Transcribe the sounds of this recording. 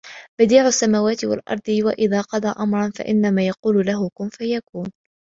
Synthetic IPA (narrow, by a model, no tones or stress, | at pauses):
bad̪iːʕʊsːamaːwaːt̪ɪwa̰lʔɑ̰ɾˤd̪ˤɨwaʔɪðaːqɑd̪ˤɑːʔamɾˤɑnfa̰ʔɪnːamaːjɑquːlʊlaɦʊkʊnfajakuːn